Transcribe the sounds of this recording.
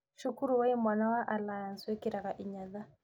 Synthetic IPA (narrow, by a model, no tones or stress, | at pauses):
ʃukuɾuwaimwanawaʔalajanswɛkiɾakaʔiɲaða